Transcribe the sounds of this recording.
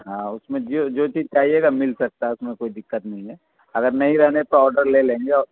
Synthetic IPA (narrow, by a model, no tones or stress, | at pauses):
ɦãːʊsmẽd͡ʒod͡ʒoːt͡ʃiːzt͡ʃaːɦieːɡamɪlsɐk̚t̪aɦɛʊsmẽkoːid̪ɪkːət̪nɐɦĩɦɛː | ɐɡəɾnɐɦĩɾɛɦnepeɾɔːɾɖəɾlelẽːŋɡeɔːɾ